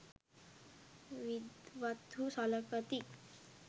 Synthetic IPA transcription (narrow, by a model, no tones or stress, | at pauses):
ʋid̪ʋat̪usɔləkət̪i